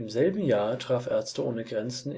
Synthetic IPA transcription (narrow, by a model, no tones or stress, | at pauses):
ɪmzɛlbm̩jaːɐtʁ̥aːfʔɛɐt͡stəʔoːnəɡʁɛnt͡sn̩